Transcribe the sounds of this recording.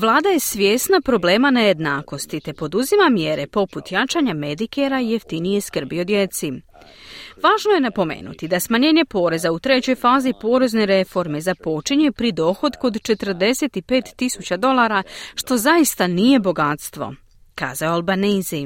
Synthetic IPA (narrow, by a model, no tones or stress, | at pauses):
ʋlˠaːd̪aje̞sʋjeːsnapɾo̞ble̞ːmaneje̞d̪naːko̞st̪it̪e̞po̞d̪uzimamjeɾe̞po̞put̪jat͡ʃaːɲame̞d̪ikeɾaije̞ft̪inijeskr̩bio̞d̪je̞t̪si | ʋaːʒno̞je̞napo̞mḛːnṵt̪id̪asmaɲeːɲe̞po̞ːɾe̞zaut̪ɾe̞t͡ɕo̞jfaːzipo̞ːɾe̞zne̞ɾe̞fo̞ɾme̞zapo̞t͡ʃiɲe̞pɾid̪o̞ːxo̞d̪ko̞d̪t͡ʃe̞t̪r̩d̪e̞se̞t̪ipe̞ːt̪ːisut͡ɕad̪o̞lˠaːɾaʃt̪o̞zaist̪anije̞bo̞ɡat̪st̪ʋo̞̰ | ka̰ːzaoalˠbanizi